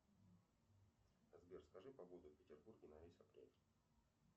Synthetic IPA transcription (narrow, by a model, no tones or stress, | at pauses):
əzbʲerskɐʐɨpɐɡod̪ʊfʲpʲɪtʲɪrburɡʲɪnɐvʲesʲɐpɾʲḛtʲ